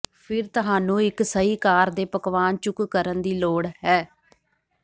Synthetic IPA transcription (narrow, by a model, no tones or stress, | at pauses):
pʰɪɾt̪əɦaːnũːɪksəiːkaːɾd̪eːpəkʋaːnt͡ʃʊkkəɾənd̪iːloːɽɦɛː